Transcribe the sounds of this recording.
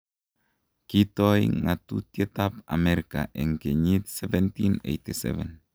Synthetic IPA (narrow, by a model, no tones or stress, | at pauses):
kit̪ɔjŋat̪ṵt̪jet̪apa̰meɾika̰ʔɛŋkeɲit̪sɛvɛnt̪inḛjt̪isɛ̰vɛn